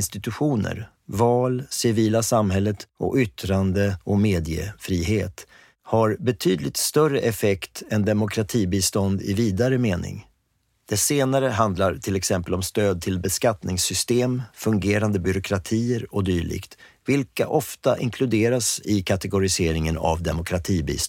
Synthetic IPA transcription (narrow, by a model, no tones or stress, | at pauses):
nst̪ɪt̪ɵɧuːnə̰ɾ | vɑːlsɪviːlasamɦɛlːət̪ɔ̰kʏt̪ːɾand̪əɔmeːd̪ɪjə̰fɾiːɦeːt̪ | haɾbɛt̪ʰyːd̪lɪt̪st̪œrəʔɛfɛkt̪ɛnd̪ɛmʊkʰɾat̪ʰiːbiːst̪ɔnd̪ɪ̰viːd̪aɾəmeːnɪ̰ŋ | d̪̥ɛseːnaɾəɦand̪laɾt̪ʰɪlɛksɛmpəlɔmst̪øːd̪̚t̪ʰɪlbɛskat̪nɪŋsʏst̪eːmfɵŋɡeːɾand̪əbʏɾʊkʰɾat̪ʰiːəɾɔd̪yːɭɪ̰ɡt̪vɪlka̰ʔɔft̪a̰ʔɪ̰ŋkʰlɵd̪eːɾasɪkʰat̪ɛɡʊɾɪseːɾɪŋəna̰vd̪ɛmʊkʰɾat̪ʰiːbḭːs